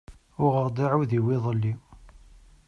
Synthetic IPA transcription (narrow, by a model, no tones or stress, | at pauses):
ʊʁəɾd̪ˤiʕuðiwɪðˤəlːi